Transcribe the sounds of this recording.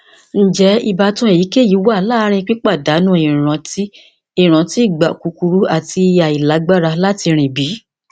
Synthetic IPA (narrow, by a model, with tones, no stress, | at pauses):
n̩˦d͡ʒɛ˨˦i˧ba˧˦tũ˦e˦˨ji˨˦ke˦˨ji˨˦wa˦a˧˦laː˦˧˦ɾ̃ĩ˧k͡pi˦k͡pa˦˨da˨˦nũ˦i˨ɾ̃ã˨˦ti˦ | i˦˨ɾ̃ã˨ti˦i˦˨ɡ͡ba˨ku˨˦ku˧ɾu˨˦a˨ti˧a˨i˨la˨˦ɡ͡ba˦ɾa˧la˦ti˧ɾ̃ĩ˨bi˨˦